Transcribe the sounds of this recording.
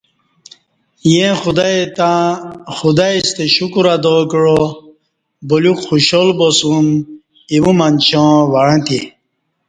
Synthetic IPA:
jẽxud̪ajt̪ãxud̪aist̪eɕukuɾad̪okɻo | bolukxuɕolbosũm | iwũmanɕõʋaɻãt̪i

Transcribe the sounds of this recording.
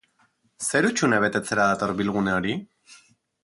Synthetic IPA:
se̞ɾut͡ʃuneβ̞e̞t̪e̞t͡se̞ɾaðat̪o̞ɾβilɣ̞uneo̞ɾi

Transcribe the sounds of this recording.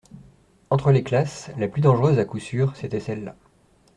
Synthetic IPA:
ɑ̃t̪χəleklaslaplyd̪ɑ̃ʒʁøzakusyːʁset̪ɛsɛlːa̰

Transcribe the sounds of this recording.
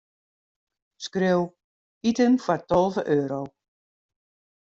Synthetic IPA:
skrøw | itənfɔrtɔlˠvəʔøːɾow

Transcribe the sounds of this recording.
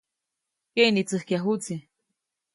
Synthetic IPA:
kenit͡sɨhkiaɦut͡si

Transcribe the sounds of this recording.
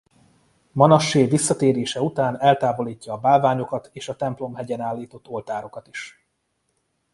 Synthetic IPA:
mɒnɒʃeːvisːɒt̪eːɾeːʃɛut̪aːnɛlt̪aːbo̞liːcːɒːbaːlvaːɲo̞kɒt̪ʰeːʃɒt̪ɛmplo̞mɦɛɟɛnaːlːiːt̪o̞t̪ːo̞lt̪aːɾo̞kɒt̪i̥ʃ

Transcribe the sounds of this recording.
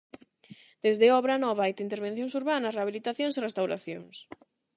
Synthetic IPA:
d̪̥ezðeɔβɾanɔβaajt̪int̪eɾβ̞ẽn̟θjõŋsuɾβanɐsreaβilit̪aθjõŋsirest̪awɾa̰θjoŋs

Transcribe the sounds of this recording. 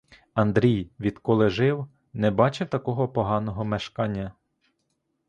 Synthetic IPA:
ɐnd̪ɾʲijʋʲid̪̥kɔlˠɪʒɪw | nɛbɑt͡ʃɪwt̪ɐkɔɦɔpɔɦɑnɔɦɔmeʃkɑnʲːɐ

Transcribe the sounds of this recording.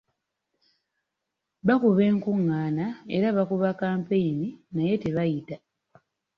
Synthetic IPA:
βakuβe̞ːŋkuŋːaːnae̞̰ɾaβakuβakaːmpejininaje̞te̞βajita

